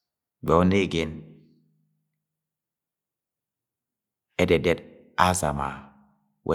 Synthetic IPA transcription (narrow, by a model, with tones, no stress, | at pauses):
ɡ͡bɛ˨o˦ne˦˨ɡe˦n | ɛ˦dɛ˨dɛ˦d | a˦za̰˨ma̰˨ | wʔḛ˦